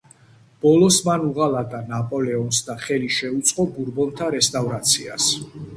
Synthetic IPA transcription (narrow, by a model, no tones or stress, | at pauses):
b̥ɔlɔsmanuʁalat̪ʼanapʼɔlɛɔnsd̪aχɛliʃɛut̪sʼqʼɔbuɾbɔnt̪ʰaɾɛst̪ʼavɾat̪sʰia̰s